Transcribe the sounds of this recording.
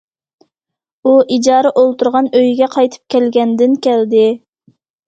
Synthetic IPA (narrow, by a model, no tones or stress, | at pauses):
uʔid͡ʒɑːɾəʔolˠt̪uɾʁɑnøjɡʲɛqʰɑjt̪ʰɨ̥p̚kʲʰɛlɡʲɛnd̪ɪnkʲʰɛld̪ɪ